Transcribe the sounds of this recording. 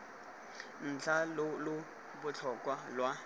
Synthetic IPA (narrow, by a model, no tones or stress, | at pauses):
n̩t͡ɬʰalʊlʊ | bʊt͡ɬʰɔkʼwalwa